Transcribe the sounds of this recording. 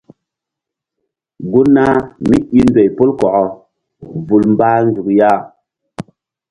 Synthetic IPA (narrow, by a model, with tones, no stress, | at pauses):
ɡu˦na˦mi˦i˦ndwe˨jpo˦lkɔ˨ʔɔ˨ | vu˨lmba˦n˦d͡zu˨kja˦˨